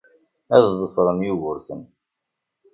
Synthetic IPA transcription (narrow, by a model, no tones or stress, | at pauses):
æðzˤəfɾˤənjuɣʊɾθən